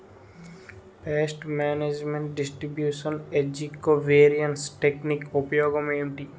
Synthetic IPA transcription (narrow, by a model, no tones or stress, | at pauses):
peːsʈmɛːned͡ʒmẽɳʈ̚ɖɪsʈɾibjuːʃəned͡ʒikːoʋeːɾijənʈsʈeknikopjoːɡəmemʈi